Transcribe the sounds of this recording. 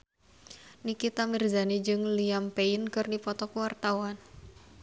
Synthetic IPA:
nikit̪amirzanid͡ʒɨŋliampeinkɨrnipɔt̪ɔkuwart̪awan

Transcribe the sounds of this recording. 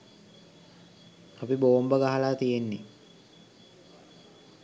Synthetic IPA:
apiboombəɡaɦalaːt̪ijenːe

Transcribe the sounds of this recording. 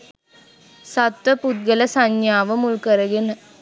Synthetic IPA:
sɐt̪ʋɐpʊt̪̚ɡɐlɐsɐɲjaːʋɐmʊɭkɐɾɐɡɪn

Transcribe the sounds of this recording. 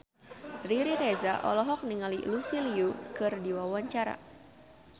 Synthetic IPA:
riɾiɾezaʔɔ̰lɔɦɔk̚niŋalḭlusiliukɨrdiwawaɲt͡ʃaɾa̰

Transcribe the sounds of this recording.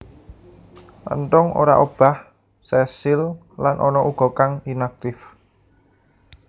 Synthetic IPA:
lə̰nt̪ɔŋo̰ɾaʔob̥a̤h | sɛsɪl | lanʔɔnɔʔuɡ̥ɔ̤kaŋinak̚t̪ɪf

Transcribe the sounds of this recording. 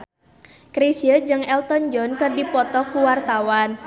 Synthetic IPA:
kɾisijəd͡ʒɨŋɛlt̪ɔnd͡ʒɔnkɨrdipɔt̪ɔkuwart̪awan

